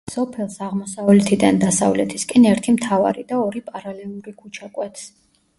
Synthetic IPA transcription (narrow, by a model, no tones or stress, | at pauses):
sɔpʰɛlˠsaʁmɔsavlɛt̪ʰid̪and̪asa̰vlɛt̪ʰiskʼɛnɛɾt̪ʰimt̪ʰava̰ɾid̪aɔɾipʼaɾalɛlˠuɾikʰut͡ʃʰakʼwɛt̪ʰs